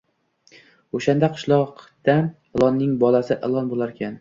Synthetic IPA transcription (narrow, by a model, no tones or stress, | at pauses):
oʃand̪aqʰɨ̥ʃlˠɒqd̪̥a | ɪlˠɒnːɪŋbɒlˠasɪʔelˠɒnbolˠaɾkʲʰan